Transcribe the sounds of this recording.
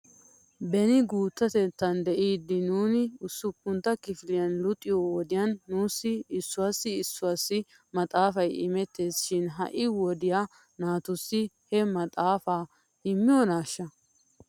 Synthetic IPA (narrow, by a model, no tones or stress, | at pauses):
bɛnɪɡuːt̪ːɐt̪ɛt̪ːɐnd̪ɛʔiːd̪ːɪnuːnɪʊsːʊpːʊnt̪ːɐkɪfɪlɪjɐnlʊt̪ʼːɪjowɔd̪ɪjɐnːuːsːɪɪsːʊwaːsːɪɪsːʊwaːsːɪ | mɐt̪ʼaːfɐjɪ̰mɛt̪ːe̞ːsʃɪnɦɐ̰ʔɪwɔd̪ɪja | naːt̪ʊsːɪhɛmɐt̪ʼaːfaː | ɪmːɪjɔnaːʃːɐ